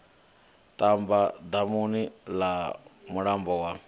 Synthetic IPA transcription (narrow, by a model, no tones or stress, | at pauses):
t̪ambad̪amunilamuɽambɔwa